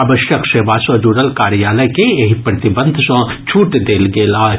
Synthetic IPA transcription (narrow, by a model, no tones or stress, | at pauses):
abəʃjəkʃeːbaːsõːd͡ʒuːɾəlkaːɾjaːləjkeeɦipɾɐt̪ɪbə̃nd̪ʱsɔ̃ | t͡ʃʰuːʈd̪eːlɡeːlaː